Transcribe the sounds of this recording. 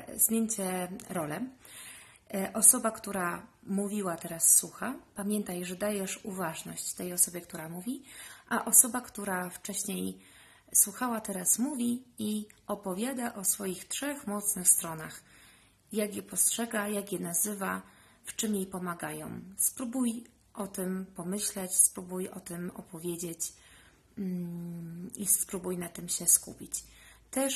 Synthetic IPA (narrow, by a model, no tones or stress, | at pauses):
zmʲjeɲt͡ɕɛɾɔlɛ | ʔɔsɔbakt̪uɾamuvʲiwat̪ɛɾasːwuxapamʲjɛnt̪ajʐɛd̪ajɛʂuvaʐnɔ̰ɕt͡ɕt̪ɛjɔsɔbʲjɛkt̪uɾamuvʲiʔaʔɔsɔbakt̪uɾaft͡ʂɛɕɲej | swuxawat̪ɛɾasmuvʲiiʔɔpɔvʲjad̪aʔɔsfɔjixtʂɛxmɔt̪snɘxst̪ɾɔna̰x | jaɡjɛpɔstʂɛɡajakʲjɛnazɘva | ft͡ʂɘmjejpɔmaɡajɔ̰̃wspɾubuj | ʔɔt̪ɘmpɔmɘɕlɛt͡ɕspɾubujɔ̰t̪ɘmɔ̰pɔvʲjeɛd͡ʑet͡ɕ | ispɾubujnat̪ɘmɕɛskṵpʲit͡ɕt̪ɛʂ